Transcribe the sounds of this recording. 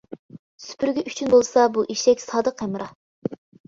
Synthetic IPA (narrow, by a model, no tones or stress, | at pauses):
sy̥pʰyɾɡʲɛʔyt͡ʃʰynbolˠsɑbuʔiʃɛkʲsɑːd̪əqːɛmɨɾɑ